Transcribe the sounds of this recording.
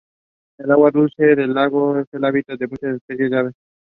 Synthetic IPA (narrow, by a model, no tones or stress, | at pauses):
elawaɾulʃeɾelaɡofelabit̪ad̪ebuʃeɾt̪eked͡ʑaβe